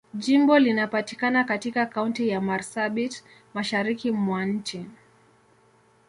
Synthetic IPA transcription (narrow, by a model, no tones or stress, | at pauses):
ʄimbɔlinapatikanakatikakauntijamaɾsaɓit | maʃaɾikimwan̩t͡ʃi